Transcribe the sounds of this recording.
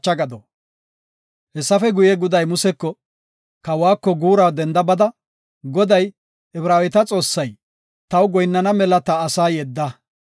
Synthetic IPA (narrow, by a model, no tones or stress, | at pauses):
t͡ʃːɐɡɐd̪ɔ | hɛsːɐfɛɡʊjɛɡʊd̪ɐjmʊsɛkːɔ | kɐwaːkːɔɡuːɾaːd̪ɛnd̪ɐbɐd̪ɐ | ɡɔd̪ɐj | ɛbɾaːwɛt̪ɐt͡sʼo̞ːsːɐj | t̪ɐwɡɔjnːɐnɐmɛlɐt̪ɐːsaːjɛd̪ːɐ